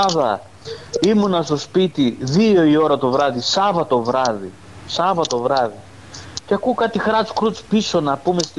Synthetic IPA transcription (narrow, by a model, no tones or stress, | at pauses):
ɐðɐ | imunɐst̪o̞spit̪iðio̞io̞ɾɐt̪o̞vɾɐðisɐvɐt̪o̞vɾɐðḭ | sɐvɐt̪o̞vɾɐði | ceɐkukɐt̪ixɾɐsu̥kɾut͡spiso̞nɐpume̞s